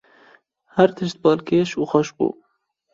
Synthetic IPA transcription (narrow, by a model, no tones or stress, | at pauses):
hæɾt̪ʰɨʃt̪̚bɑːlkeːʃuːxɔʃbṵː